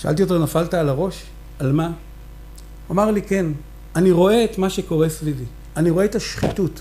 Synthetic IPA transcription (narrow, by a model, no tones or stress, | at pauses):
ʃa̰a̰lt̬ijot̬enafaltaːlaʁo̞ʃ | alma | omaʁlike̞n | aniʁo̞e̞etmaʃe̞ko̞ʁe̞slili | aniʁoe̞etaʃχitut